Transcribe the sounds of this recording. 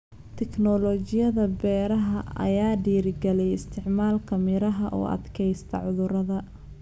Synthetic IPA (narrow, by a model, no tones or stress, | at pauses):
t̪ʰɛknɔlɔːt͡ʃɪjɐðɐbɛːɾɐɦɐɐ̰jaːɖiːɾɪɡɛlɛjɪst̪ʰɪʕmaːlkʰɐmɪɾɐɦɐʔɔ̰ːʔɐ̰d̪kʰɛjst̪ʰɐʕʊðʊɾɐðɐ